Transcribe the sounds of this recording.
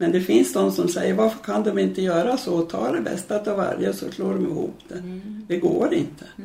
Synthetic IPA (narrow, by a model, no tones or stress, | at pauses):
mɛnd̪ɛfɪnsnɔnsɔmsɛjːəɾvaɾfəɾkʰand̪ɔmɪnt̪əjœːɾasɔt̪ʰɑ̰ːɖɛbɛ̰st̪at̪ʰɑva̰ɾjəsɔsloːɖɔmɪhṵːpd̪̥ɛd̪̥ɛɡoːɾɪnt̪ʰə̥